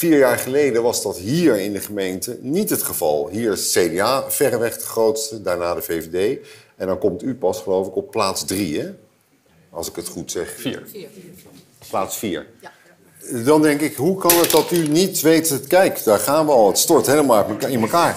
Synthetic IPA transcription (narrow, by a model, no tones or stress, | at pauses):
fiːɹjaːɹχəlejdəʋɑzdɑtɦiːɹɪndəχəmejntənitɦətχəvɑ̰lˠɦiːɹsejdeaːv̥ɛrəʋɛχdəχrowtstədaːɹnaːdəvejvedejɛndɑnkɔmtypɑsχəlowfɪkɔpːlaːtzdriɦɛ | ɑlˠsɪkətχutsɛχ | plaːtsfiːɹ | dɑndɛŋkɪkɦukɑnədɑtynitʋejtkɛjkd̥aːɹχaːnʋəɑlˠətstɔɹtɦejləmaɪnməkaːɹ